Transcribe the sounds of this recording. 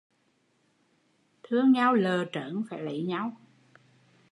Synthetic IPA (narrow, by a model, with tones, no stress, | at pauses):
t̪ʰɨ˧əŋɲa˧wləː˨˩t͡ɕəː˧˩˦nfa̰ː˧˩jlə˧˩˦jɲa˧w